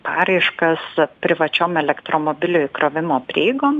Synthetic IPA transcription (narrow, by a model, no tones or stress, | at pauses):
pɑ̰ːɾɐɪʃkɐspʲɾʲɪʋɐt͡ʃʲoːmɛlʲɛkt̪ɾoːmoːbʲɪlʲoːɪkɾoːʋʲɪmoːpʲɾʲeːɡoːm